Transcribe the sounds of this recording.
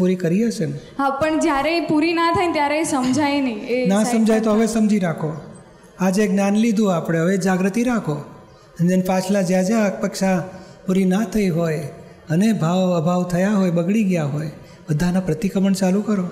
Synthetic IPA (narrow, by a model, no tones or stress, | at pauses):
puɾikəɾiəʃen | ɦapəɳd͡ʒjaɾepuɾinat̪ʰajt̪jaɾeesəmd͡ʒʱajneĩenasəmd͡ʒʱajt̪oɦəʋesəmd͡ʒiɾakʰo | ad͡ʒeɡnjanlid̪ʱũapɽ̃eɦəʋed͡ʒaɡɾət̪iɾakʰo | ənd͡ʒenpat͡ʃʰlad͡ʒjad͡ʒak̚pəkʃapuɾinat̪ʰəiɦoj | ənebʱaʋəbʱaʋt̪ʰəjaɦojbəɡɭiɡjaɦoj | bəd̪ʱanapɾət̪ikəməɳt͡ʃalukəɾo